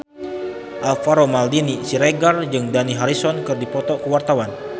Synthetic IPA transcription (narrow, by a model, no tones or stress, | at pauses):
ʔalfaɾomaldinisiɾeɡard͡ʒɨŋdaniɦaɾisɔnkɨrdipɔt̪ɔkəwart̪awan